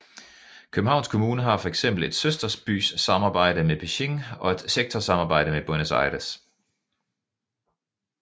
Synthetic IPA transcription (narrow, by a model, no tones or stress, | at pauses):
kʰøb̥n̩hɑ̈ʊnskʰomuːnəɦɑ̈fɒ̽eɡ̥sem̰b̥l̩e̝d̥søsd̥ɐsb̥y̰ːsːɑ̈mɑ̈ːb̥ɑ̈ɪ̰ɾəmeb̥iɕeŋɒ̽e̝d̥seɡ̥̚t͡sʰɒsɑ̈mɑːb̥ɑ̈ɪ̰ɾ̥əmeb̥ɔnəsɑ̰̈ɪɾæs